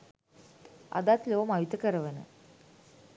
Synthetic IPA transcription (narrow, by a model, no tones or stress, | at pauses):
ɐ̰d̪aːt̪loːɐmɐʋit̪ɐkəɾɐʋɐnə̰